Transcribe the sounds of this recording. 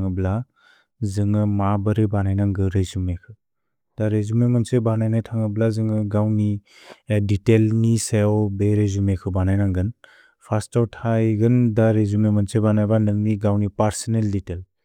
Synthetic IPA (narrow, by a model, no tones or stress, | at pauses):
ŋɯbla | zɯŋɯmabɯɾibanajnaŋɡɯɾezumekʰɯ | d̥aɾezumemɯnsebanajnajtʰaŋɯblazɯŋɯɡawni | ditelnisewbeɾezumekʰɯbanajnaŋɡɯn | pʰastawtʰajɡɯndaɾezumemɯnsebanajbanɯŋniɡawnipaɾsɔnelditel